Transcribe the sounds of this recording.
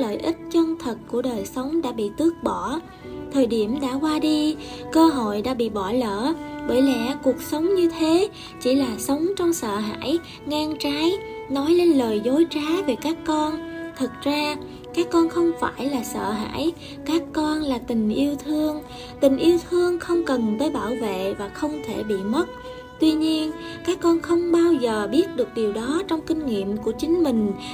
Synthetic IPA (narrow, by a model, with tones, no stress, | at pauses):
lə̰ː˧˨jʔi˦˥t̚t͡ɕə˧mt̪ʰə˨˩t̚ku˧˩əɗəː˨˩jsə˨˦wŋ͡mɗa̰ː˧˥ɓḭ˧˨t̪ɨ˦˥ək̚ɓɔ˧˩ | t̪ʰəː˨˩jɗi˧˩əmɗa̰ː˧˥kwaː˧ɗi˧kəː˧ɦo̰˧˨jɗa̰ː˧˥ɓḭ˧˨ɓɔ˧˩lə̰ː˧˨ɓəː˧˩jlɛ̰˧˥ku˨˩ək̚sə˨˦wŋ͡mɲɨ˧t̪ʰe˨˦ | t͡ɕi˧˩laː˨˩sə˨˦wŋ͡mt͡ɕɔ˧wŋ͡msə̰ː˧˨ɦa̰ː˧˥j | ŋaː˧ŋt͡ɕaː˨˦jnɔ˨˦jle˧nləː˨˩jzo˨˦jt͡ɕaː˨˦ve˨˩kaː˦˥kːɔ˧nt̪ʰɨ˨˩k̚zaː˧ | kaː˦˥kːɔ˧nxə˧wŋ͡mfaː˧˩jlaː˨˩sə̰ː˧˨ɦa̰ː˧˥˨j | kaː˦˥kːɔ˧nlaː˨˩t̪ï˨˩ŋ̟ʔi˧əwt̪ʰɨ˧əŋ | t̪ï˨˩ŋ̟ʔi˧əwt̪ʰɨ˧əŋxə˧wŋ͡mkə˨˩nt̪əː˧˦jɓaː˧˩wvḛ˧˨vaː˨˩xə˧wŋ͡mt̪ʰe˧˩ɓḭ˧˨mə˦˥t̚ | t̪wi˧ɲi˧ən | kaː˦˥kːɔ˧nxə˧wŋ͡mɓaː˧wzəː˨˩ɓi˦˥ət̚ɗɨ˨˩ək̚ɗi˨˩əwɗɔ˨˦t͡ɕɔ˧wŋ͡mkï˧ŋ̟ŋḭ˧˨əmku˧˩ət͡ɕï˨˦ŋ̟mï˨˩ŋ̟